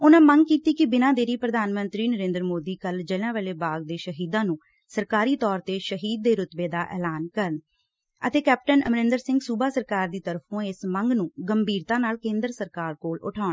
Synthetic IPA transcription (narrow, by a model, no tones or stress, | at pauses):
ʊnãːməŋɡ̚kiːt̪iːkɪbɪnãːd̪eːɾiːpɾəd̪ʱaːnmənt̪ɾiːnəɾẽːnd̪əɾmoːd̪iːkəld͡ʒəlãːʋəːleːbaːɡ̚d̪eːʃəɦiːd̪ãːnũː | səɾkaːɾiːt̪ɔːɾt̪eːʃəɦiːd̪̚ːeːɾʊt̪beːd̪aːʔɛ̰ːlaːnkəɾən | ə̰t̪eːkɛːp̚ʈənəmɾɪ̃nd̪əɾsɪ̃ŋɡsuːbaːsəɾkaːɾd̪iːt̪əɾəpʰõːɪsməŋɡnũːɡəmbʱiːɾt̪ãːnaːlkẽːnd̪əɾsəɾkaːɾkoːlʊ̰ʈʰaːʊɳ